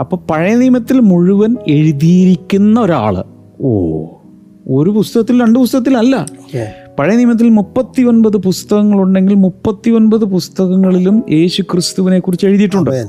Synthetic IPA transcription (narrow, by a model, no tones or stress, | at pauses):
ɐpːoːpɐɻɐjɐnimɐt̪ːilmuɻuʋɐne̞ɻuðijiɾikʲːunːɐo̞ɾa̰ːɭɨ̰ | o̰ː | o̞ɾupust̪ɐɣɐt̪ːilɾɐɳɖɨpust̪ɐɣɐt̪ːilmɐlːɐ | pɐɻɐjniːmɐt̪̬ːilmupːɐt̪ːio̞npɐðɨpust̪ɐɣɐŋːɐɭuɳɖe̞ŋɡilmupːɐt̪ːio̞npɐðɨpust̪ɐɣɐŋːɐɭilumjʔe̞ːɕukrɨst̪uʋine̞kːurit͡ɕːe̞ɻuðiʈːuɳɖɨ